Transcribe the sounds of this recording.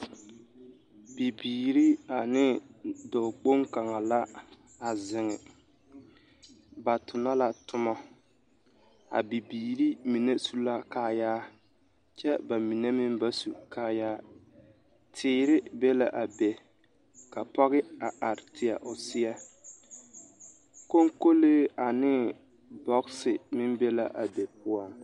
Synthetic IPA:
b̥i˨biː˨ɾi˦a˨nɪ˦dɔ˨k͡po˦ŋka˨ŋa˨la˦ | a˨zɪ˨ŋɪ˨ | ba˨tʊ˨na˦la˦tʊ˦ma˦ | a̰˨bi˨biː˨ɾi˦mi˨ne˦su˦la˦kaː˦jaː˦ | t͡ʃɛ˦ba˨mi˨ne˦mɪ˦mba˦su˨kʰaː˦jaː˦ | tʰɪː˨˦ɾɪ˦bɛ˦la˨ʔa˨bɛ˨ | ka˨pɔ˦ɣɪ˦a˨a˨ɾɪ˨tʰɪ˨a̰˨ʔʊ˨sɪ˦ɛ˦ | ko˦ŋko˦leː˦a˨nɪ˦ | bɔ˦ksɪ˨mɪ˦mbɛ˦la˨ʔa˨be˨pʊ˦ɔ˨n

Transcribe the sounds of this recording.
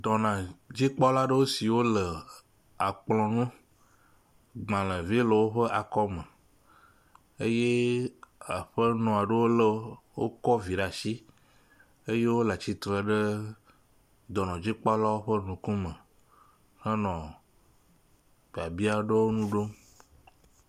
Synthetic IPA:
d̪ɔ˨nã˨d͡ʑi˦k͡pɔ˦la˦ɖə˦wo˦si˨wo˦lə˨ | a˨k͡plɔ̃˨nũ˦ | ɡ͡bã˨lə̃˨vlə˨wo˦ɸə˦ʔa˨kɔ˦mə˨ | e˦je˦ | a˨ɸə˦nɔ̃˨a˨ɖə˦wo˦lə˦ | wo̰˦kɔ˦vi˨ɖa˨ʃi˦ | e˦je˦wo˦la˨t͡ɕi˨t̪ɾɛ˨ɖə˦ | d̪ɔ˨nɔ̃˨d͡ʑi˦k͡pɔ˦la˦wo˦ɸə˦nũ˨kũ˦mə̃˨ | xə̃˦nɔ̃˨ | fa˨bi˦a˦ɖe˦wo˦nũ˦ɖo˦

